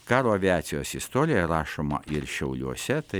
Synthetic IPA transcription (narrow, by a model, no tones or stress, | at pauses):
kɑːɾoːɐʋʲiɑːt̪sʲɪjoːsɪst̪oːɾʲɪjjɛɾɑːʃoːmɐ̰ʔɪɾʃʲɛʊlʲuɔsʲɛt̪ɐɪ